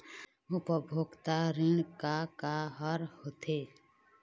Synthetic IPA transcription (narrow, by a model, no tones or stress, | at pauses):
ʊpəbʱoːɡt̪aɾɪɳkakaɦəɾhot̪ʰeː